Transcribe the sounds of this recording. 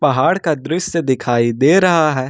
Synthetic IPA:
pɐɦaːɽkad̪ɾʊʃəd̪ɪkʰaːid̪eːɾɐɦaɦɛː

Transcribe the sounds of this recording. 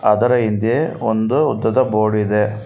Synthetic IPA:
ɐd̪ɐɾɐind̪eond̪uːd̪ːɐd̪ɐboːɽid̪e

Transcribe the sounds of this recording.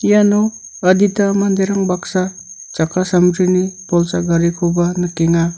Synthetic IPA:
janɔ | ɐditamand̪eɾaŋbaksa | t͡ʃakʰasamɾinipɔlsaɡaɾikʰobanɯkeŋa

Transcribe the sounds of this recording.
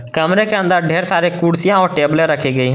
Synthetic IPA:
kəmɾekeə̃nd̪əɾɖʱeːɾsaːɾekuːɽsijãɔːɾʈeːbleɾəkʰeɡəiɦɛ̃

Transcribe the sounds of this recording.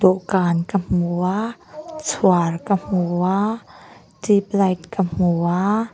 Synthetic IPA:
d̪ɔʔkankəm̥uat͡sʰuarkəm̥ua | tip̚lɐjtkəm̥ua

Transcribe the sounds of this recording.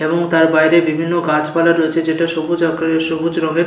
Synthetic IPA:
eboŋt̪aɾbajɾebibʱinːoɡat͡ɕpalaɾojet͡ɕʰed͡ʑeʈaʃobud͡ʑakeʃobud͡ʑɾɔŋeɾ

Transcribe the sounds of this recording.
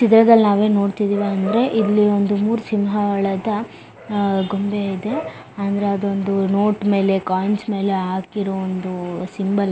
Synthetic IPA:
t͡ʃid̪ɾɐd̪ɐlːnaːʋe̞ːno̞ːɽt̪id̪iːʋiɐnd̪ɐɾe̞ʔidlːio̞nd̪umuːɾusimɦɐɐɭɐd̪ɐ | ɡombeid̪e̞ | ɐnd̪ɐɾeɐd̪ond̪uno̞ːʈme̞ːle̞kaːjnsme̞ːleɦaːkiɾoond̪usimbɐl

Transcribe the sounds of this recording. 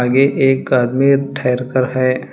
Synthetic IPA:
aːɡeʔeːk̚ɡaːd̪miːʈʰɛːɾkəɾɦɛː

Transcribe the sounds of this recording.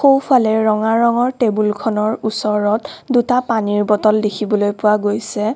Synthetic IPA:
xowpʰalɛɹɔŋaɹɔŋɔɹtebulkʰɔnɔɹusɔɹɔtdutapaniɹbɔtɔldekʰibɔlojpʊwaɡojsɛ

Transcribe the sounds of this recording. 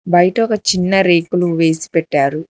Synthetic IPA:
bɐjʈɐokɐt͡ʃinːɐɾeːkuluʋe̞ːsi̥pɛʈːaːɾu

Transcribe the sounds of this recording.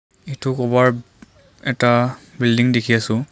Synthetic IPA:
itʊkɔbaɹ | ɛtabildiŋdekʰiasʊ̃

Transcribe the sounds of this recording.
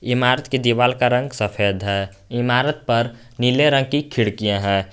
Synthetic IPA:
ɪmaɾət̪ked̪iʋaːlkaɾə̃ŋɡsəpʰeːd̪ʱɦɛː | ɪmaɾət̪̚pəɾ | nileɾə̃ŋɡ̚kikʰiɽkijãɦɛː

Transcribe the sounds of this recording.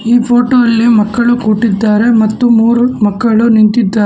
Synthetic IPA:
iːpʰo̞ːʈoːɐlːimɐkːɐɭukuːʈid̪ːaːɾe̞mɐt̪ːumuːɾumɐkːɐɭunint̪id̪ːaːɾ

